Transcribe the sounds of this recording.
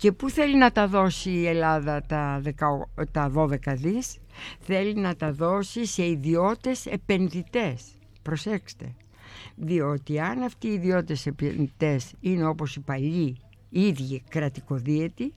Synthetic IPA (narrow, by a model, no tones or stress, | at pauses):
ce̞puθe̞linɐt̪ɐðo̞siːe̞lɐðɐt̪ɐðekɐt̪ɐðo̞ðe̞kɐðisθe̞linɐt̪ɐðo̞sise̞iðio̞t̪e̞se̞pe̞nðit̪e̞s | pɾo̞se̞kst̪e̞̰ | ðio̞t̪iɐnɐft̪iːðio̞t̪e̞sepenðit̪e̞sine̞o̞po̞sipɐʎi | iðʝikɾɐt̪iko̞ðiet̪i